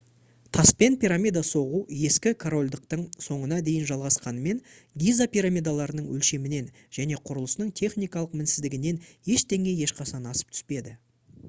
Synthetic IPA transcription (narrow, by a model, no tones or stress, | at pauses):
t̪ʰɑspe̞npʲiɾamʲijd̪aso̞ʁuje̞skʲɪkʰoɾo̞lʲd̪əq̚t̪əɴso̞ɴənɑd̪e̞jɪnʒɑlˠʁɑsqɑnəme̞n | ɡʲijzapʲiɾamʲijd̪alˠɑɾənəɴwɵ̰lʃe̞mɪne̞n | ʒ̥æne̞qʰʊɾəlˠəsnəɴt̪ʲʰe̞χnijkɑlˠəq̚mɪnsɪzd̪ɪɡʲɪne̞nje̞ʃt̪e̞ŋe̞je̞ʃqɑʃɑnɑsə̥p̚t̪ʰʏ̥spe̞d̪ɪ